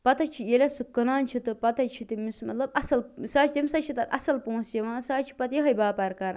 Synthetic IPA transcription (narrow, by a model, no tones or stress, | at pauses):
pɐt̪ɐt͡ʃʰijelʲɐsɨkɐnaːnt͡ʃʰit̪ɨpɐt̪ɐt͡ʃʰit̪imismɐt̪lɐbɐsɐlsaːt͡ʃʰt̪ʲimsat͡ʃʰit̪ɐt̪ʔɐ̰sɐlpõːsjeʋãːsaːt͡ʃʰi̥pɐt̪jɐɦɐjbaːpɐɾkɐɾ